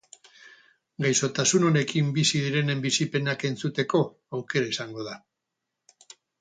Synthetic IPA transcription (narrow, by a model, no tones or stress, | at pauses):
ɡajso̞t̪asuno̞ne̞kimbisiðiɾe̞ne̞mbisipe̞nake̞nt͡sut̪e̞ko̞ | awke̞ɾaisaŋɡo̞ð̞a